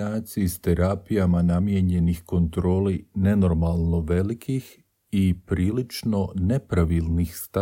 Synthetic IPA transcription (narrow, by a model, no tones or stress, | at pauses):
aːt̪siist̪eɾaːpijamanamjeɲe̞nixko̞nt̪ɾo̞ːline̞no̞ɾmalˠno̞ʋe̞likʰix | ipɾiːlit͡ʃno̞ne̞pɾaʋilˠnixst̪a